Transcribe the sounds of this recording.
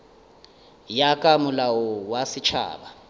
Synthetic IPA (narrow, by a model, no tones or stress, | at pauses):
jakʼamʊlawɔwasit͡ʃʰa̰ːɓa